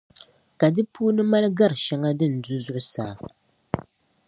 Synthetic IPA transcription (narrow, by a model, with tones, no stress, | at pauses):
ka˨dɨ˦puː˦nɨ˦ma˦lɡa˦ɾɨ˨ʃɛ˦ŋa˦dɨ˦˨n̩˨du˦zʊ˦ʔʊ˦sa̰ː˨